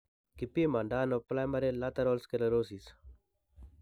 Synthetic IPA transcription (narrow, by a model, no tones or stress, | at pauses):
kipiemaːɳɖaːnoplaːjmɐɾelaːt̪ɐɾoːlskelɐɾoːsis